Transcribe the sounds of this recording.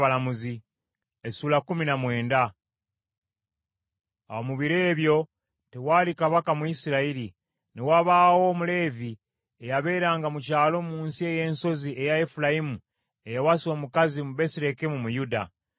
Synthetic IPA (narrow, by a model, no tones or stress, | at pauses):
alamuzi | esuːlakuminamwe̞ːnda | omuβiɾeːβjo̞ | tewaːlikaβakamuisiɾaili | newaβawo̞ːmule̞ːvi | ejaβe̞ːɾaːŋɡamucaːlo̞ːmuːnsie̞je̞ːnso̞ziʔe̞jaefulaimu | ejawaso̞ːmukazimuβe̞siɾe̞kimumujuda̰